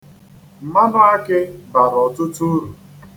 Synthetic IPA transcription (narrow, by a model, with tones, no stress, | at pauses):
m̩˨ma˦ba˦a˦kɪ˦ba˨ɾɔ˨tʊ˦tu˦ɾu˨